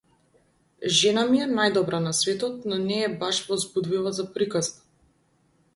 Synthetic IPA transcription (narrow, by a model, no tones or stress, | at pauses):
ʒɛnamiɛnajd̪ɔbɾanasvɛt̪ɔt̪̚nɔnɛːbaʃvɔzbud̪vilˠazapɾikazba